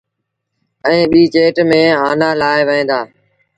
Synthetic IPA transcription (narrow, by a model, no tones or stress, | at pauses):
ɛ̃ːɓiːt͡ʃeːʈmẽːaːnaːlaːeʋəẽːd̪aː